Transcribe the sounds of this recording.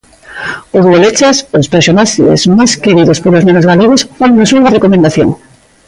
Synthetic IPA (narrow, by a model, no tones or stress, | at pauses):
ozolet͡ʃasospeɾsonaʃḛzmajskeɾiðospolozmenozɣaleɣosfannosuɾɣarekomẽnd̪aθjo̰ŋ